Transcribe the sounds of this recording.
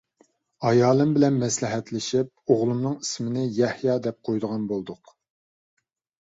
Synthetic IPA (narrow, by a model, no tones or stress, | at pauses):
ɑjɑːlˠɨmbɪlɛnmɛslɪɦɛt̪lɪʃip̚oʁlˠumnɨŋismɪnɪjɛhjɑd̪ɛp̚qʰojd̪əʁɑnbolˠd̪ʊq